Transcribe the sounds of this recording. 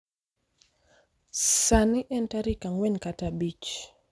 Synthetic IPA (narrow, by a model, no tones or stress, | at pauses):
saniʔɛntaɾikaŋwɛnkatabit͡ʃ